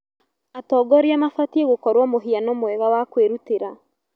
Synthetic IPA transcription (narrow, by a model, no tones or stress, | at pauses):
atɔːɡɔɾiamafatieɣokɔɾwamoɦianɔmwɛɣawakweɾuteɾa